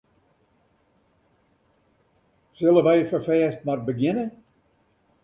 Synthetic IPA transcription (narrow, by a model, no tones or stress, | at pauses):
sɪlˠəʋɛjəfərfɛːstmarbəɡɪnə